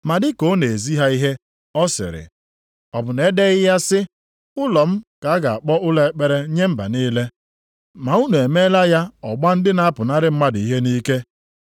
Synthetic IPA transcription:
ma˨dɪ˦ko˦ne˨e˨zi˦ɦa˦i˦ɦe˦ | ɔ˦sɪ̰˨ɾɪ̰˨ | ɔ˨bʊ˨ne˦de˦ɣɪ˦ja˦sɪ˦ | ʊ˦lɔ˨m̩˦ka˨a˦ɡa˨a˨k͡pɔ˦ʔʊ˦le˦k͡pe˦ɾe˦ɲe˦m̩˦ba̰˨niː˦le˦ | ma˨u˦nu˨e˨me˦la˦ja˦ɔ˨ɡ͡ba˦n̩˦dɪ˦na˦a˦pʊ˨na˦ɾɪ˦m̩˦ma˦di˨i˦ɦe˦ni˦ke˦

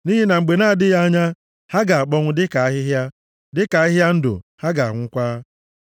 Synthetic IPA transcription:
ni˦ɦi˦na˨ŋ͡m̩˨ɡ͡be˨na˦˨dɪ˦ja˦a˦ɲa˦ | ha˦ɡa˨a˨k͡pɔ˦ŋʷʊ˦dɪ˦ka˨a˦ɦɪ˦ɦja˦ | dɪ˦ka˨˦ɪ˦ɦja˦n̩˦dʊ̰˨ha˦ɡa˨a˨ŋ̩ʷ˦kʷa˦

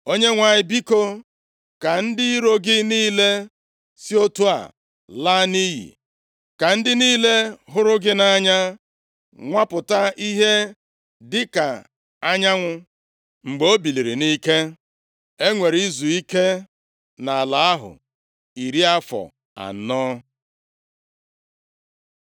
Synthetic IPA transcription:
o˦ɲe˦ŋʷa˨ɲɪ˨bi˦ko˦ | ka˨n̩˦dɪ˦i˦ɾo˦ɡɪ˦niː˦le˦ | si˦o˦tu˦a̰˨ | la˦ni˦ɦḭ˨ | ka˨n̩˦dɪ˦niː˦le˦ɦʊ˦ɾʊ˦ɡɪ˦na˦ɲa˦ | ŋʷa˦pʊ˨ta˦i˦ɦe˦ | dɪ˦ka˨ | a˦ɲa˦ŋʷʊ˦ | ŋ͡m̩˨ɡ͡bo˦bi˨li˨ɾi˨ni˦ke˦ | e˦ŋʷe˨ɾi˦zu˨i˦ke˦ | na˨a˨la˨a˦ɦʊ̰˨ | i˨ɾi˦a˦fɔ̰˨ | a̰˨n̩˦nɔː˦

